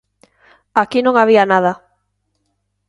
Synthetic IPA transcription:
akinõŋaβianaða

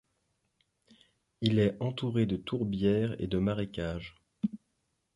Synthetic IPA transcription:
ilɛɑ̃t̪uʁed̪ət̪ʰuʁbjɛːʁḛd̪əmaʁekʲaːʒ

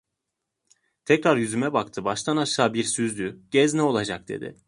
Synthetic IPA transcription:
t̪ʰɛcɾaɾjyzymɛbak̚t̪ʰɯbaʃt̪ʰanaʃaːbiɾsyzd̪yɟ̥ɛznɛo̞lˠad͡ʒak̚d̪̥e̞̰d̪ɪ̰

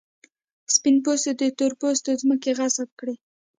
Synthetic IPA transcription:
spinp̬osed̪ət̪oɾpost̪ozməkeɣasat̪̚kɽi

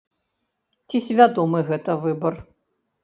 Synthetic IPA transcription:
t͡sʲisʲvʲad̪ɔmɨɣɛt̪ɐvɨbɐr

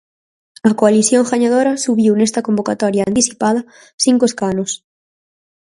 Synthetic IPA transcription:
ɐkoaliθjoŋxaɲaðoɾɐsuβiwnest̪ɐkombokat̪ɔɾjaant̪iθipað̞ɐ | θiŋkoeskanʊs

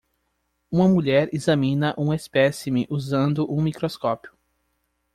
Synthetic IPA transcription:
ũmɐmuʎɛɾizɐmĩnɐʔũɐespɛsimɪʔuzɐ̃nd̪ʊʔũmikɾoskɔpjʊ̥

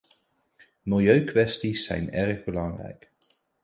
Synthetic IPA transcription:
mɪlˠjøɥkʋɛstisːɛ̰jnɛrχbəlɑŋrɛ̰jk

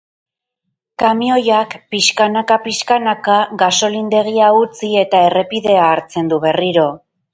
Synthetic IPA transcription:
kamio̞jakpiʃkanakapiʃkanakaɣaso̞lind̪e̞ɣ̞iaut͡sie̞t̪ae̞re̞piðe̞aːɾt͡se̞nd̪uβe̞riɾo̞

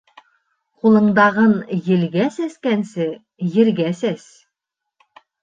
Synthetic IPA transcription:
qulˠɤ̆ɴd̪ɑʁɤnjɘ̆lɡæsæskænsɘ | jɘ̆ɾɡæsæs

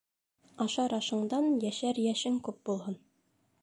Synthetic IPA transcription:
ɑʃɑɾɑʃɤ̆ɴd̪ɑnjæʃæɾjæʃɘŋkʉp̚bulˠhɤn

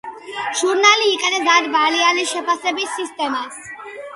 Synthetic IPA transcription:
ʒ̥uɾnaliːqʼɛnɛsaɾbalianiʃɛpʰasɛbisːist̪ʼɛmas

